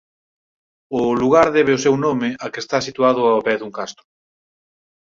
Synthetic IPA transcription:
ʊluɣ̞aɾðɛβ̞eʊsewnomɪʔakest̪asit̪uað̞ʊaβɛðuŋkast̪ʊ

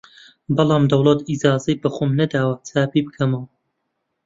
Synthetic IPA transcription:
bɑlˠɑːmd̪ɐwlˠɐt̪izaːzɐjbɐxoːmnɐd̪aːwɐt͡sʰaːbibɨkʰɐmɐwɐ

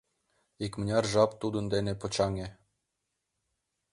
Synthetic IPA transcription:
ikmnʲɑrʒɑpt̪ud̪ə̆nd̪enepŏt͡ɕɑŋe

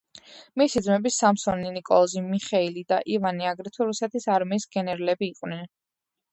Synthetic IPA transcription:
misid̪zmɛbisamsɔninikʼɔlˠzimiχɛilid̪aʔivaniaɡɾit̪ʰuɾusɛt̪ʰisaɾmiːsɡɛnɛɾalɛbiːqʼwnɛn

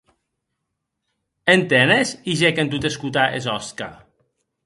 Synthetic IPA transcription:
ent̪enesiʒɛkent̪ut̪eskut̪aʔezɔska̰

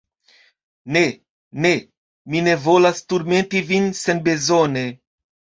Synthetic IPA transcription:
ne̞ | ne̞ | mine̞vo̞lastuɾme̞ntivinse̞nbe̞zone̞

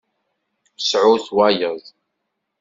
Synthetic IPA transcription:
sʕʊθwæjəðˤ

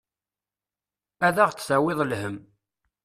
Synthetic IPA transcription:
æðæʁt͡sːθæwɪðˤlhəm

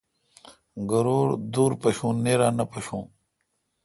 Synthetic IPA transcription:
ɡɐɾoːɾd̪uːɾpɐɕũːneːɾaːnɐpɐɕũː

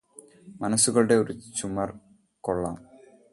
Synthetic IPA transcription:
mɐnɐsːuɣɐɭuɽe̞o̞ɾut͡ɕumɐr | ko̞ɭːaːm

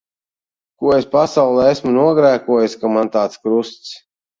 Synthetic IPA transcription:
kuɔespasawlˠɛːesmunuɔɡɾæːkuɔjskamant̪aːt̪skɾust̪s

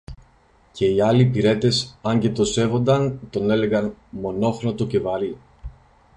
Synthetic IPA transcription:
ce̞iɐlipiɾe̞t̪e̞sɐɲɟe̞t̪o̞se̞vo̞nd̪ɐnt̪o̞ne̞le̞ɣɐnmo̞no̞xnot̪oce̞vɐɾi

